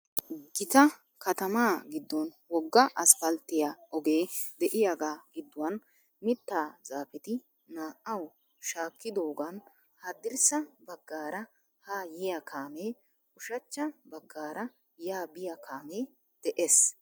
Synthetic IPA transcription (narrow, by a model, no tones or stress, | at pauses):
ɡɪt̪ɐ | kɐt̪ɐmaːɡɪd̪ːɔn | wɔɡːɐʔɐsfɐlt̪ːɪjaɔɡe̞ːd̪ɛʔɪjaɡaːɡ̥ɪd̪ːʊwɐn | mɪt̪ːaːzaːfɛt̪ɪ | naːʔːɐw | ʃaːkːɪd̪o̞ːɡan | had̪ɪɾsɐbɐɡːaːɾɐ | haːjɪjakʰaːmeː | ʊʃɐt͡ʃːɐbɐɡːaːɾɐ | jaːbɪjɐkʰaːme̞ː | d̪̥ɛʔes